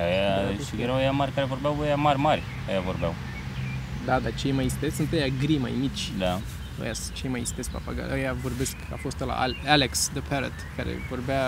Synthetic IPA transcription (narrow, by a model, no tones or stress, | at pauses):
ajaeɾajamaɾʲkaɾevo̞rbeawojamarʲmarʲ | əjavorbea̰w | d̪ad̪at͡ʃe̞jmajist̪esʲsunt̪əjaɡɾima̰jmit͡ʃʲd̪a | o̰jast͡ʃe̞jmajist̪esk̚pa̰pa̰ɡa̰lojavo̞rbeska̰fo̞st̪la̰ʔaaleksd̪əpeɾət̪kaɾḛvo̞rbea